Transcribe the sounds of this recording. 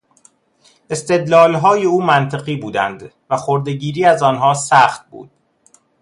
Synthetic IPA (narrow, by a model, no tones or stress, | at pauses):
e̞st̪e̞d̪lɒːlɦɒːje̞uːmænt̪ʰeɣiːbuːd̪æ̰nd̪ | væχoɾd̪eɟiːɾiːæzɒːnɦɒːsæxt̪̚bṵːd̪̥